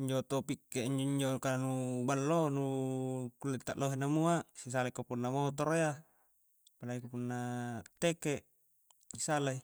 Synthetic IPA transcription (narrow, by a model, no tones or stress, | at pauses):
iɲd͡ʒot̪opikːɛʔiɲd͡ʒoiɲd͡ʒokananubalːonukulːet̪ːaʔloɦenamuaʔsis̬alaikopunːamot̪oɾoja | palaikupunːat̪ekeʔ | sisalai